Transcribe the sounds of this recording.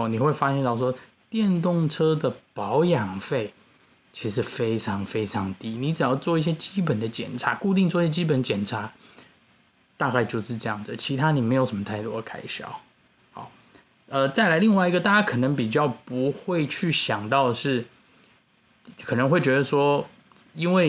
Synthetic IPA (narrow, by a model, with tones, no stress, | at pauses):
ni˨˩xwe˥˩ɪfa˥ɕjɛ˥˧nt̪ɑ˥˩ʊʂ̬wɔ˥ | t̪jɛ˥˧nt̪ʊ˥˩ŋʈ͡ʂʰɤ˥d̪ə˨pɑ˧˦ʊjɑ˨˩ŋfe˥˩ɪ | t͡ɕʰi˧˥ʂɻ̩˥˩fe˥ɪʈ͡ʂʰɑ˧˥ŋfe˥ɪʈ͡ʂʰɑ˧˥ŋt̪i˥ni˧˨˥t͡sɻ̩˨˩jɑ˥˩ʊt͡swɔ˥˧i˥˩ɕ̬jɛ˥t͡ɕi˥p̬ə˨˩nd̪ə˦t͡ɕjɛ̰˨˩nʈ͡ʂʰa˧˥ku˥˧t̪i˥˧ŋt͡swɔ˥˧i˥ɕjɛ˥t͡ɕi˥pə˨˦nd̪t͡ɕjɛ˨˩nʈ͡ʂʰa˧˥˦ | t̪a˥˧ka˥˧ɪt͡ɕjo˥˧ʊʂɻ̩˥˧ʈ͡ʂɤ˥˧jɑ˥˩ŋd͡zt͡ɕʰi˧˥t̪ʰa˥ni˨˩me˧˥ɪjo˨˩ʊʂə˧˦mə˧t̪ʰa˥˩ɪt̪wɔ̰˥˧kʰa˥ɪɕjɑ̰˨˩˦ʊ | hɑ̰˨˩˦ | ə˧t͡sa˥˩ɪla˧˥ɪli˥˧ŋwa˥˩ɪi˧˥ɡə˧t̪a˥˩t͡ɕa˥kʰɤ˨˩nə˧˥ŋp̬i˨˩t͡ɕjɑ˥˩ʊpu˧˦xwe˥˧ɪt͡ɕʰy˥˩ɕjɑ˨˩ŋt̪ɑ˥˧ʊʂɻ̩˥˩ | kʰɤ˨˩nə˧˦ŋxwe˥˩ɪt͡ɕɥɛ˧˥d̪ə˧ʂwɔ˥ | i˥nwe˥˩ɪ